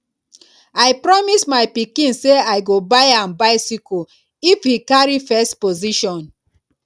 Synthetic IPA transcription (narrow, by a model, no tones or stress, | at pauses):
ajpɹɔmismaɪpikĩnseajɡobajãmbaɪsiko | ifhikaɹifɛstpoziʃɔ̃n